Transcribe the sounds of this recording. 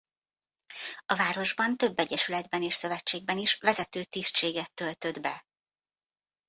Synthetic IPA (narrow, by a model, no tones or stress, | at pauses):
ɒvaːɾo̞ʒbɒnt̪ø̞bːɛɟɛʃylɛd̪bɛneːʃsø̞vɛt͡ʃːeːɡ̚bɛniʃvɛzɛt̪øːt̪ist͡ʃeːɡɛt̪ːø̞lt̪ø̞d̪bɛ